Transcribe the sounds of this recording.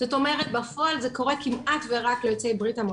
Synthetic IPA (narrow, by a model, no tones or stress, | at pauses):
z̥oto̞meʁet̚bafoalzeko̞ʁekimʔatveʁaklejot͡sejbʁithamo